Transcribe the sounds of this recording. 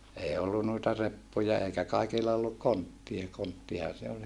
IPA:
ei olːu nuitɑ repːujɑ eikæ kɑikilːɑ olːuk kontːiɑ kontːihɑ se ol

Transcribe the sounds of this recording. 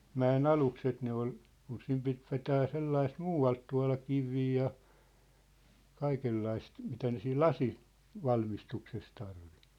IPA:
mæen ɑlukset ne ol kun sim pit ʋetæː selːɑist muːɑlt tuɑ̝lɑ kiʋiː jɑ kɑikelːɑist mitæ ne siːl lɑsi ʋɑlmistukses tɑrʋi

